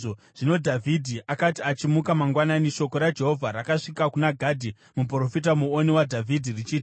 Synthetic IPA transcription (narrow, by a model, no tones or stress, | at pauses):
o | ʐ̥ino̞dʱavʱidʱiʔakatiat͡ʃimukamaŋɡwananiʃo̞ko̞ɾad͡ʒe̞ɦo̞vʱaɾakaʂikakunaɡʱadʱi | mup̬ro̞fit̬amuoniwadʱavʱidʱirit͡ʃiːti